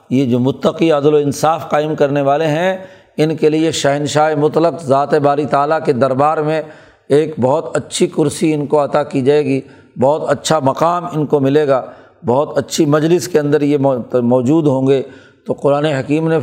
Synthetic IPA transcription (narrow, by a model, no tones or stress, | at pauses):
jed͡ʒoːmʊt̪ːəqiɐd̪loɪ̃nsaːfqaːɪmkɐɾneʋaːleɦɛ̃ | ɪnkelieʃɐɦɪnʃaːemʊt̪ləqzaːt̪ebaːɾit̪aːlaked̪ɐɾbaːɾmẽ | eːkbɔɦʊt̪ɐtːʃʰikʊɾsiɪnkoɐt̪akid͡ʒaːeːɡi | bɔːt̪ɐtːʃʰamɐqaːmɪnkomɪleːɡaː | bɐɦt̪ɐtːʃʰimɐd͡ʒlɪskeɐ̃nd̪əɾjemɔːd͡ʒuːd̪ɦõːŋɡe | t̪oqʊɾaːneɦɐkiːmne